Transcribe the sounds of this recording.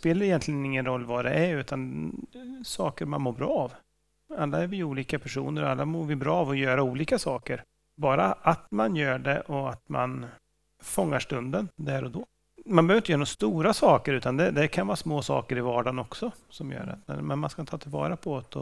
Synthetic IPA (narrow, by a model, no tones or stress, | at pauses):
speːlaɾɪjɛnt̪lɪɡənɪŋːənɾɔlːvad̪ɛʔæɾʉ̟ːt̪ʰan | sɑːkəɾmanmoːɾbɾɑːv | alːaɛɾvɪuːliːkapʰæʂuːnəɾɔalːamoːɾvɪbɾɑːvɔjœːɾauːliːkasɑːkəɾ | bɑːɾaʔat̪manjœːɖɛʔɔat̪ma̰n | fɔŋːaʂʈɵnd̪ənd̪æɾɔd̪ɔ | manbɛœœvɾɪnəjœːɾanːst̪uːɾasɑːkəɾʉ̟ːt̪and̪ɛd̪ɛkʰanvɑːsmoːsɑ̰ːkəɾɪvɑːɖɑːnɔksɔsɔmjœ̰ːɾa̰t̪ɛ̰mɛnmanskaɪnʰɑːt̪ʰɪlvɑ̰ːɾapʰɔɔt̪ɔ̰